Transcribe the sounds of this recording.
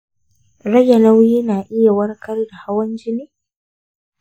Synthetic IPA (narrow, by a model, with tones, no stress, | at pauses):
ɽɐ˦ja˨nɐ˦wji˦naː˨ʔɪ˦ja˨wɐ˦rkɐ˦rda˨ha˦wɐ˦nd͡ʒɪ˦niː˦